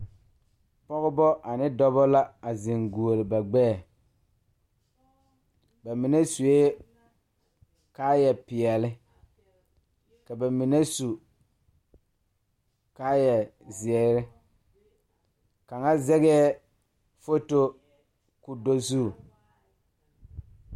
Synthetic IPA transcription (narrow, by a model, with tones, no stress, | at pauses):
pɔ˦ɣɪ˦bɔ˦ʔa˨nɪ˦dɔ˦bɔ˦la˦a˨zɪ˨ŋɡu˨o˨lɪ˨ba˨ɡ͡bɛː˦˨ | ba˨mɪ˨ne˦su˨e˦ | kaː˦jɛ˨pɪ˨ɛ˨lɪ˦ | ka˨ba˨mɪ˨ne˦su˨ | kaː˦jɛ˨zɪ˨ɛ˨ɾɪ˦ | ka˨ŋa˦zɛ˦ɣɛ˦ɛ˦ | fo˦to˦ | kʊ˨do˦zu˦˨